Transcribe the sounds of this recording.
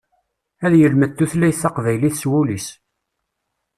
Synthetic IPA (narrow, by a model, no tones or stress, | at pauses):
æðjəlmət̪ːuθlæjθːɑqvæjliθswulis